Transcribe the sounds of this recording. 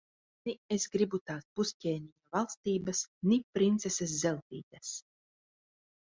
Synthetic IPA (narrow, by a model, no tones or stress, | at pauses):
niesɡɾibut̪aːsbusʲcʲɛːnʲijavalˠst̪iːbasnipɾint̪seses̬ːɛlˠt̪iːt̪as